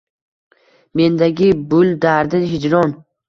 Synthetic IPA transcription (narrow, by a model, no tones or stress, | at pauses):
me̞nd̪aɡʲɪbʊlˠd̪aɾd̪ɪhɪd͡ʒɾɒn